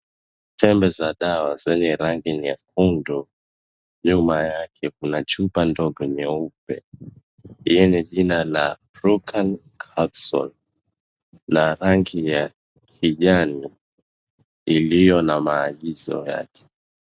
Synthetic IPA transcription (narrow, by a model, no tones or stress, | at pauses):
tʰɛmbɛzaɗawazɛɲɛɾaŋɡiniak̚undu | ɲumajakʰɛkunat͡ʃupandɔɠɔɲɛup̚ɛ̰ | hijɛniʄinala | ɾukʰankʰabsɔ̰n | naɾaŋɡija | kʰiʄani | ilijɔnamaːɠizɔ̰ja̰kʰɛ̥